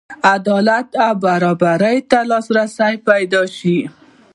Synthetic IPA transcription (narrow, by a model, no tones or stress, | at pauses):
ad̪ɑlat̪awbaɾɑbaɾəjt̪alɑsɾasajpajd̪ɑʃi